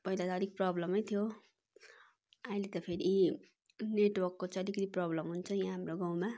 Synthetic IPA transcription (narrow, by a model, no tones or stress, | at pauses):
pʌjlat̪ʌd̪ʱik̚prʌblʌmʌjt̪ʰijo | aj̃let̪ʌpʰeɾi | neʈwʌrkːot͡sʌʌd̪ikʌt̪iprʌblʌmɦunt͡sʰʌjãɦamroɡaw̃ma